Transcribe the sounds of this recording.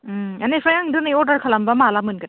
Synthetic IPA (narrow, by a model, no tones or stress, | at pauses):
a̰nefajaŋdɯnajɔdaɾkʰalambamalamɯnɡɯt